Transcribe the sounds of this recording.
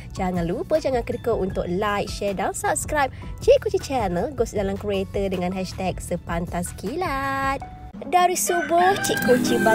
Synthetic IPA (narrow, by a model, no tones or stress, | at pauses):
d͡ʒaŋãnlupəd͡ʒaŋankədəkoʔunt̪ʊk̚lajk̚ʃɛdansap̚skɾajp̚t͡ʃiʔkːot͡ʃit͡ʃɛnəlɡosdalamkɾiet̪ədəŋãnɦɛʃt̪ɛk̚səpant̪askilat̪̚ | daɾisuboht͡ʃiʔkːot͡ʃiba